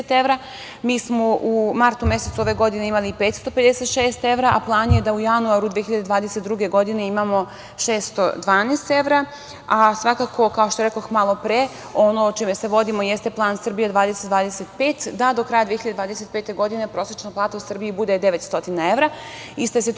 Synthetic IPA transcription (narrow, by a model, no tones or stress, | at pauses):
t̪eʋɾa | miːsmo̞ʔumaɾt̪umje̞set̪suo̞ʋe̞ɡo̞d̪ine̞imaliipeːt̪st̪o̞ped̪ese̞t̪ʃeːst̪e̞ʋɾaʔaplˠaːnje̞d̪aujanuaɾud̪ʋijeçiʎad̪ed̪ʋaːd̪eset̪d̪ɾuɡe̞ɡo̞d̪ine̞imamo̞ | ʃeːst̪o̰d̪ʋaːneːst̪e̞ʋɾa | asʋakakʰo̞kaoʃt̪oɾekoxmalˠo̞pɾe | o̞not͡ʃime̞se̞ʋo̞d̪imo̞jest̪e̞plˠaːnsr̩bijad̪ʋaːd̪eset̪d̪ʋaːd̪ese̞t̪peːt̪d̪ad̪o̞kɾaːjad̪ieçiʎad̪ed̪ʋaːd̪eset̪̚pe̞ːt̪e̞ɡo̞d̪ine̞pɾo̞ːsɾet͡ʃnoplˠaːt̪ausr̩bijibud̪ed̪e̞ʋe̞t̪st̪o̞t̪inae̞ʋɾa | ist̪eset